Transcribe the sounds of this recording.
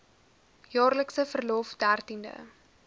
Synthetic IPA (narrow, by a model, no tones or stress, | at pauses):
jɑːrləksəfərlɔfdærtində̰